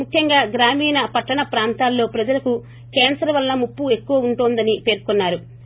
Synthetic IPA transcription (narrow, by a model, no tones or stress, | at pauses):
mukʰjɐŋɡaːɡɾaːmiːnɐpɐʈːɐɳɐpɾaːnt̪aːlːo̞ːpɾɐd͡ʒɐlɐku | keːnsɐɾɐʋɐlːɐmupːue̞kːuʋɐuɳʈoːnd̪ɐnipe̞ːɾkunːaːɾu